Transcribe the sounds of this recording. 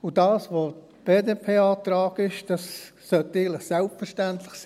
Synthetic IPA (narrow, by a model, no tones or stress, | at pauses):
udɑːsʋoːt | b̥eːdepʰeːɑːtɾaːɡ̥ɪʃd̥ɑsː | œteɪɡənlɪχsɛlpfəɾʃtæntlɪχsiː